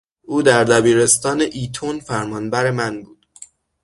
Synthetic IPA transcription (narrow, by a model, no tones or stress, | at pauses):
ʔuːd̪æɾd̪æbiːɾe̞st̪ɒːneʔiːt̪ʰonfæɾmɒːnbæɾe̞mænbuːd̪̥